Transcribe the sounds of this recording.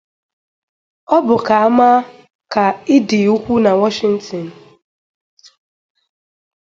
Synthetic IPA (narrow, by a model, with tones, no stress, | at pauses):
ɔ˦bʊ˨ka˨a˦ma˦ | ka˨ɪ˦di˨u˦kʷu˦na˨wɔ˦ʃɪ˨˦n̩˦tɔ˨n̩˨